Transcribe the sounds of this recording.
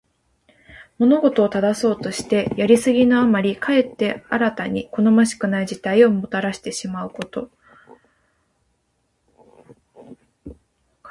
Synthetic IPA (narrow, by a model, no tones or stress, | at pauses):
mo̞no̞ɡo̞t̪o̞ːt̪ad̪aso̞ːt̪o̞ɕi̥t̪e̞jaɾʲisɨɡʲinoamaɾʲikʰae̞t̪ːe̞aɾat̪aɲ̟iko̞no̞maɕi̥kɯ̟naiʑit̪aio̞mo̞t̪aɾaɕi̥t̪e̞ɕimaɯ̟ko̞t̪o̞